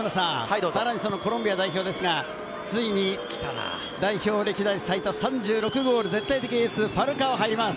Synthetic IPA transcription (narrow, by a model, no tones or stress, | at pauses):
ɾsãsaɾaɲ̟iso̞no̞ko̞ɾombʲijad̪aiçʲo̞ːd̪e̞sɨɡa | t͡sɨiɲ̟ikʲi̥t̪a̰na̰ | d̪aiço̞ːɾʲekʲid̪aisait̪asãɲ̟d͡ʑɨːɾo̞kɯ̟ɡo̞ːɾɯ̟zẽ̞t̪ːait̪ekʲiɲisɨɸaɾɯ̟kaoɦaiɾʲimasɨ̥